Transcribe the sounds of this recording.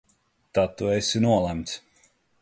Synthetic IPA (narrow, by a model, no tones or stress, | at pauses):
t̪at̪ːuɛsinuɔlˠæmt̪s